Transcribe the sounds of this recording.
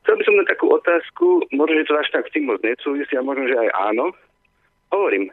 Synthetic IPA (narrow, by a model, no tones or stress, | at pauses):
xt͡sɛlˠbisɔmnat̪ːakuːʔɔt̪aːskumʊɔʒnɔʒɛt̪ɔaʃt̪akst̪iːmːɔd͡zɲɛsuːʋisiamʊɔʒnɔʒɛajʔa̰ːnɔ | ɦɔʋɔɾiːm